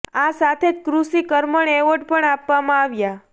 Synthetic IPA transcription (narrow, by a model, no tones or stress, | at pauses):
asat̪ʰed͡ʒkɾusikəɾməɳeʋəɖpəɳapʋamãaʋja